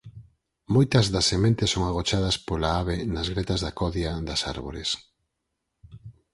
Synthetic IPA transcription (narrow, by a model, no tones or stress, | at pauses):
mojt̪ɐzðɐsːemẽnt̪ɪsoŋaɣ̞ot͡ʃaðɐspolaaβenɐzɣɾet̪ɐzðɐkɔðjɐd̪ɐsa̰ɾβo̰ɾes